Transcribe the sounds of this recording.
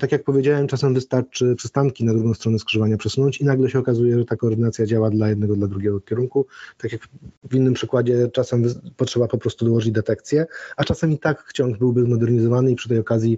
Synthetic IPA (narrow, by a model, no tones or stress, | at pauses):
t̪akʲjak̚pɔvʲjed͡ʑawɛmt͡ʂasɛmvɘst̪aɾt͡ʂɘpʂɘst̪aŋkʲinad̪ɾuɡɔ̃w̃st̪ɾɔnɛskʂɛvaɲapʂɛsunɔ̃ɲt͡ɕinaɡlɛɕɛɔkazujɛʐɛt̪akɔːɾd̪ɘnat̪sʲjad͡ʑawad̪lajɛd̪nɛɡɔd̪lad̪ɾuɡʲɛɡɔkʲɛɾuŋkut̪akʲjakvʲinːɘmpʂɘkwad͡ʑɛt͡ʂasɛmvpɔtʂɛbapɔpɾɔst̪ud̪ɔwɔʐɘd͡ʑd̪ɛt̪ɛkt̪sʲjɛat͡ʂasamʲit̪akːt͡ɕɔŋɡbɘwbɘzmɔd̪ɛɾɲizɔvanɘipʂɘt̪̬ɛjɔkazʲji